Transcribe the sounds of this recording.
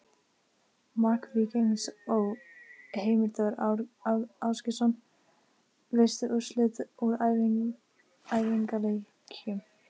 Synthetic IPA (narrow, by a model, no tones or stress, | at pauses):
mahkviceŋsɔɣheːjmɪɾt̪œɣɾ | awscɪsɔn | ve̥st̪ʏʔʏ̥slɪt̪uɾa | ajviŋkalej | cʰʏm